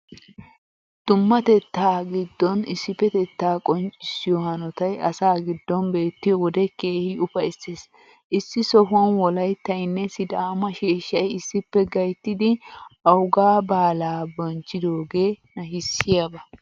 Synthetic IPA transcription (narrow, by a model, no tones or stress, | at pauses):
d̪̥ʊmːɐt̪ɛt̪ːaːɡɪd̪ːɔnɪsːɪpːɛt̪ɛt̪ːaːkʼɔnt͡ʃʼɪsːɪjɔhɐnɔt̪ɐjɐsaːɡɪd̪ːɔnbe̞ːt̪ːɪjɔwɔd̪ɛkeːhɪʊfɐsːeːs | ʔɪsːɪsɔɦʊwɐnwɔlɐjt̪ːɐjnːɛsɪd̪aːmɐʃeːʃːɐjɪsːɪpːɛɡɐjt̪ːɪd̪ɪɐwʊɡaːbaːlaːbɔnt͡ʃʼːɪd̪o̞ːɡe̞ːnɐɦɪsːɪjabɐ